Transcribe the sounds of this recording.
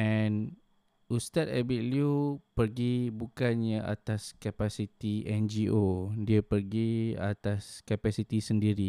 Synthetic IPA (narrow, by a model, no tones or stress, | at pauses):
ɛn | ust̪at̪̚ɛ̰bit̪̚liupərɡibukanɲaʔa̰t̪askapasit̪iɛnd͡ʒiʔodiapərɡia̰t̪askapasit̪isəndiɾi